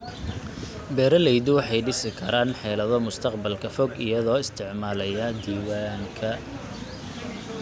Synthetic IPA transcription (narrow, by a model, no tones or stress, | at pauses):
bɛːɾɐlɛjd̪ʊwɑħɑjɖɪsɪkʰɐɾaːnħɛːlɐðɔmʊst̪ʰɐqbɐlkʰɐfɔɡɪjɐðɔːɪst̪ʰɪʕmaːlɐjɐd̪iːwaŋkʰɐ